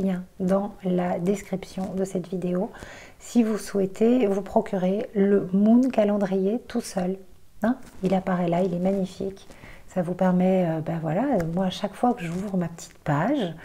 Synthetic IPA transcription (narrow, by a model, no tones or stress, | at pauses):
jɛ̃d̪ɑ̃lad̪ɛskχipsjɔ̃d̪əsɛt̪vid̪eo | sivuswɛt̪ʰevupχɔkʲyʁeləmɔ̃nkalɑ̃d̪ʁijet̪usœl | ɛ̃ilapaʁɛlailɛmaɲifḭksavupɛʁmɛøbavwalaømwaːʃakfwakəʒuvʁəmapə̥t̪ʰi̥t̪paʒ